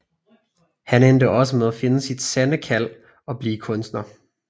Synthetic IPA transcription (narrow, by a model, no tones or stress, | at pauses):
hænend̥əɒ̽səmeðˠæfe̝nəsid̥sænəkʰæl̰ | ɒ̽b̥liːkʰɔ̽nsd̥nɐ